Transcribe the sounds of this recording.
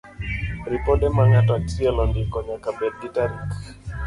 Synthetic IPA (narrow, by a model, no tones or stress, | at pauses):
ɾipɔdɛmaŋatɔat͡ʃiɛlɔndɪkɔɲakabɛd̚ɡitaɾik